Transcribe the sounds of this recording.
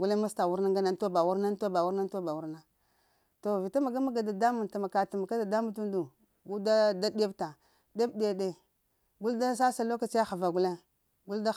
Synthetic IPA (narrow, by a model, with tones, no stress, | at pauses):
ɡu˦le˦ma˦sta˨wu˦ɾna˦ŋɡa˦na˦n˦to˦ba˨wu˦ɾna˦n˦to˦ba˨wu˦ɾna˦n˦to˦ba˨wu˦ɾna˦ | to˨vi˨ta˦ma˨ɡa˦ma˦ɡa˨da˨da˦mu˨nta˨ma˨ka˨ta˨ma˨ka˦da˨da˦mu˦tu˦ndu˨ | ɡu˦da˦da˦de˦bta˨ | de˦bde˨˦ɗe˨ | ɡu˦lda˦sa˦sa˨lo˦ka˨t͡ʃja˦xa˨va˨ɡu˦le˦ | ɡu˦lda˦